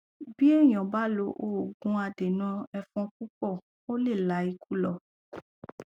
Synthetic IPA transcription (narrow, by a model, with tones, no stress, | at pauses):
bi˦e˦˨j̃ɔ̃˨ba˦lo˧ʔo˦˨ɡũ˧˦a˧de˨nã˧˦ɛ˧fɔ̃˧k̚u˦kɔ˦˨ | o˦le˦˨la˨˦i˧ku˦lɔ˦˨